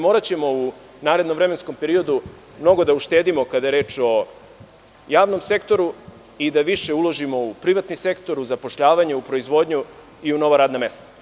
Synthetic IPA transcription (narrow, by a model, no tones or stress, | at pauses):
mo̞ːɾat͡ɕe̞mo̞u | naːɾed̪nomvɾeme̞nsko̞mpe̞ɾio̞d̪u | mno̞ɡo̞d̪auʃt̪e̞ːd̪imo̞kad̪ajeɾeːt͡ʃo̞ | jaːʋno̞mse̞kt̪o̞ɾu | id̪aʋiʃe̞ulˠo̞ʒimo̞upɾiʋat̪nise̞kt̪o̞ɾuzapo̞ʃʎaːʋaɲeupɾoizʋo̞d̪ɲu | iuno̞ʋaɾaːd̪name̞st̪ḁ